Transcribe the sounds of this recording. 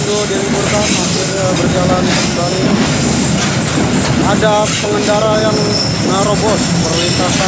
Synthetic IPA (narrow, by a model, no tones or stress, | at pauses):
ɡodikurlahmapɪr | bərd͡ʒalankakaɾi | ada | pəŋəndaɾajaŋ | ɾobɔt̪̚pərwint̪asa